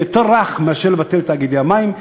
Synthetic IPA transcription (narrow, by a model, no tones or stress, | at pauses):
et̪oʁaχmeaʃelevat̪elt̪aːɡid̪eamaim